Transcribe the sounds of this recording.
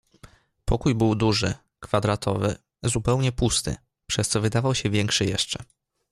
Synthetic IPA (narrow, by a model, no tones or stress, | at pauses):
pɔkujbɘwd̪uʐɘ̰ | kfad̪ɾat̪ʰɔvɘ | zupɛwɲɛpust̪ɘ̰ | pʂɛst̪sɔvɘd̪avawɕɛvʲjɛŋkʂɘjɛʂt͡ʂɛ